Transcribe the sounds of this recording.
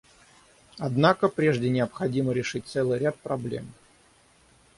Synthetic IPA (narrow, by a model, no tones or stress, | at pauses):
ɐd̪nakəpɾʲe̞ʐdʲɪnʲɪəpxɐdʲiməɾʲɪʂɨt̚ʲt̪sɛlˠɨjɾʲat̪̚pɾɐblʲḛm